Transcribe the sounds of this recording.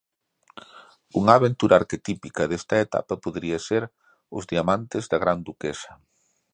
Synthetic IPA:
uŋaːβent̪uɾʔaːɾket̪ipikɐðest̪ɐet̪a̰pɐpoðɾiɐseɾ | ʊ̰zðiamant̪ɪzðɐɣɾand̪ukesɐ̥

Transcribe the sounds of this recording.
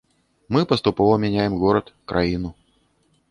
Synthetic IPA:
mɨpəst̪ʊpovəmʲɪnʲæjɪmɣoɾət̪kɾʔainʊ

